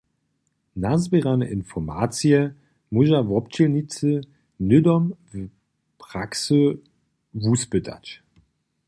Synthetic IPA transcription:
nazbeʁanəʔɪnfɔma̰ːt͡siə | mʊʑavɔp̚t͡ɕənit͡sə | nʏdɔmv | pʁ̥aksə | vuːsbʏtʰa̰t

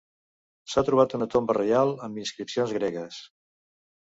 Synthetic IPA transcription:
sat̪ɾuβ̞at̪unət̪ombərealˠəmbinskɾipsionzɣɾɛɣəs

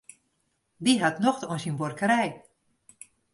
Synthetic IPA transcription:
diɦatnoxtonsinborkəɾɛj

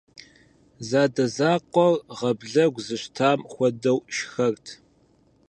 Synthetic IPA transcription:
zaːdɐzaːqʷɔrʁɐbɮɐɡʷzɨɕtʰaːmxʷɔdɐwʃxɐrtʰ

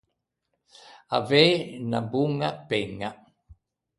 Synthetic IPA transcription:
a̰veːnabuŋapeŋa

